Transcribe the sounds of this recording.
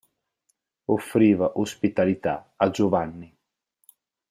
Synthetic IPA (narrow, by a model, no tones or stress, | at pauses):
ofɾiːvaʔospit̪alit̪a̰ad͡ʒovanːi